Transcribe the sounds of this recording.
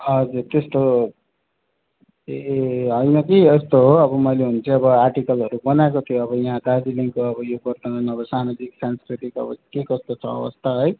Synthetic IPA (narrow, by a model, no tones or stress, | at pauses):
ʌd͡zurt̪est̪o | ɦʌjnʌkiʌst̪oɦoʌbʌmʌjleɦunt͡sʰʌ̃ʌbʌarʈikʌlɦʌɾubʌnaekot̪ʰijoʌβʌjãɦãd̪ad͡ziliŋkoʌbʌjobʌrt̪ʌnʌnʌbʌsamad͡ziksanskriʈikʌ̰bʌkekʌst̪ot͡sʰʌʌ̰bʌ̰st̪ʰaɦʌj